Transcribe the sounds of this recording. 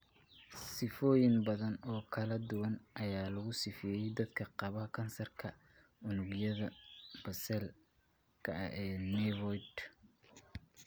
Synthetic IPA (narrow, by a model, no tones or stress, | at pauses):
sɪfɔːjɪnbɐðɐnɔːkʰɐlɐd̪ʊwɐnʔɐjaːlɐɣʊsɪfɛjɛjd̪ɐd̪kʰɐqɑβɐɦɐkʰɐnsɐrkʰɐ | ʊnʊɡjɐðɐb̥ɐsɛl | kʰɐ̰ʔɐ̰ɛːnɛwɔjd̪